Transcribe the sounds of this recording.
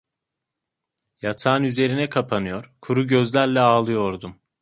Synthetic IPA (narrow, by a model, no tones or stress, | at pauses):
jat̪ʰaːnyze̞ɾinɛkʰapʰanɯjo̞ɾkʰuɾuɟøzlʲæɾlʲɛaːlˠɯjo̞ɾd̪um